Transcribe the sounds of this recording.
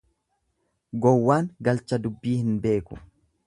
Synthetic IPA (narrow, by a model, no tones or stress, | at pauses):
ɡɔwːaːŋɡɐlt͡ʃɐd̪ʊbːiːhɪnbe̞ːkʊ̥